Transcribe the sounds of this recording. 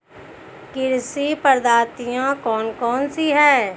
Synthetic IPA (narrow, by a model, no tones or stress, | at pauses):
kɪɾsipəɾd̪aːɾt̪ɪjãkɔːnkɔːnsiɦɛː